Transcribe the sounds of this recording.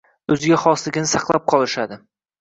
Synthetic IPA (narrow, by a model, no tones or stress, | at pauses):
ɵzɪɡʲaχɒslɪɡʲɪnɪsɑqlˠap̚qʰɒlˠɪʃad̪ɪ